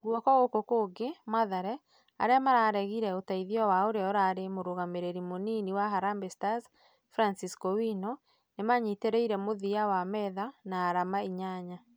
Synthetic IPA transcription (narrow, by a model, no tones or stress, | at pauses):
ɣwɔkɔɣokokoɡemaðaɾɛ | a̰ɾeamaɾaɾɛɣiɾɛotaiðiɔwaoɾeɔɾaɾemoɾoɣameɾeɾimoniniwaɦaɾambestas | fɾansiskɔwino | nemaɲiteɾeiɾɛmoðiawamɛðanaːɾamaiɲaɲa